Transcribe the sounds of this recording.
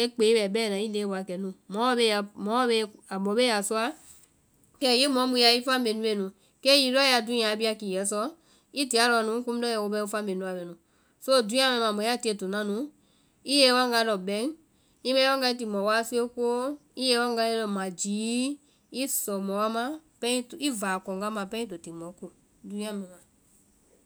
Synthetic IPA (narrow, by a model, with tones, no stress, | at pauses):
e˦k͡pe˨˦i˦bɛ˨bɛː˦˨nã˨˦i˦ne˨˦ba˨kɛ˨nũ˨˦mɔ̃˨˦be˦a˨mɔ̃˨˦be˦a˨bɔ˨˦be˦a˨su˦a˦ | kɛ˦˨ji˦mɔ̃˨˦mũ˧˦a˧i˦fa˦mbe˨nũ˧˦e˧˨nũ˨ | kɛ˦ji˧ɾɔ˦ja˧˨dũ˦ã˨˦bi˦a˧ki˨jɛ˨˦sɔ˧˦ | i˦ti˨a˦lɔ˧˨nũ˨˦ku˦m̩˦dɔ˦jɛ˧˨wo˧bɛ˧˦u˦fa˦mbe˨nũ˦a˨bɛ˨nũ˨ | so˦˨dũ˦ã˦mɛ̃˧˦mã˨mɔ̃˨˦a˦˨ti˦e˧˨to˨nã˦nũ˨˦ | i˦je˦wa˦ŋɡa˧˦lɔ˨bɛ̃˨˦ŋ | i˦mɛ̃˦a˦ŋɡa˧i˦t̬i˨mɔ˨wa˦si˦o˦ko˦i˦je˧˦wa˦ŋɡa˧e˦lɔ˧mã˨d͡ʒiː˨˦ | i˦sɔ˨mɔ˨wa˦mã˦pɛ̃˦ti˦vaː˨kɔ˨ŋɡa˦mã˨pɛ̃˦ĩ˦to˨ti˨mɔ˨˦ko˨ | dũ˨˧˦ã˦mɛ̃˨mã˨